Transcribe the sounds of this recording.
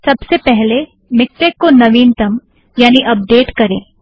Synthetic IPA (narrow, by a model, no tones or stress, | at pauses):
sɐbsepɛɦle | mɪk̚ʈ̪ekːonɐʋiːnt̪ɐm | jaːniʔɐp̚ɖeːʈkɐɾẽː